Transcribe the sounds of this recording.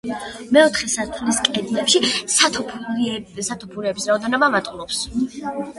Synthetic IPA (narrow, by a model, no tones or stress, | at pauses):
mɛɔt̪ʰχɛsat̪ʰliskʼɛd̪lɛpʃisat̪ʰɔpʰsat̪ʰɔpʰuɾɛːbisɾaɔd̪anɔbamat̪ʼqʼlˠɔps